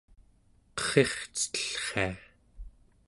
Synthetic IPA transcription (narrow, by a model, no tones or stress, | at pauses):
qə̥χeχt͡sə̥t̪ə̥ɬχḛa